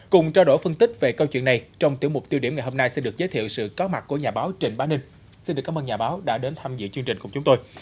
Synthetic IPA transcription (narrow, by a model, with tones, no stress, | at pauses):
kʊ˨˩ŋ͡mt͡ɕaː˧wɗo˧˩jfə˧nt̪ï˦˥k̚ve˨˩kə˧wt͡ɕwḭ˧˨əna˨˩jt͡ɕɔ˧wŋ͡mt̪i˧˩əmʊ˨˩k͡p̚t̪i˧əɗi˧˩əŋa˨˩jho˧mna˧jsi˧nɗɨ˨˩ək̚zəː˨˦jt̪ʰḭ˧˨əwsɨ̰˧˨kɔ˨˦ma˨˩k̚kːu˧˩əɲaː˨˩ɓaː˨˦wt͡ɕï˧˨˩ŋ̟ɓaː˨˦nːï˧ŋ | si˧nɗɨ˨˩kːaː˨˦ʔə˧ɲaː˨˩ɓaː˨˦wɗa̰ː˧˥ɗe˨˦nt̪ʰaː˧mzɨ̰˧˨t͡ɕɨ˧əŋt͡ɕï˨˩ŋ̟kʊ̰˧˩ŋ͡mt͡ɕʊ˨˦ŋ͡mt̪o˧j